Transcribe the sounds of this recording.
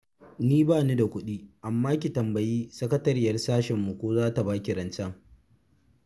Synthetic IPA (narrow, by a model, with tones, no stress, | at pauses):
niː˦baː˦˨ni˦da˨kʷʊ˦ɗiː˦ʔa˨mːaː˦k̬ʲi˨tɐ˨mbɐ˨jiː˦sɐ˦kɐ˦tɐ˦ɾɪ˦jɐ˨rsaː˦ʃɛ˨mːu˨kʷoː˦zaː˦ta˨baː˦kʲi˨ɾɐ˨nt͡ʃɐ˦ŋ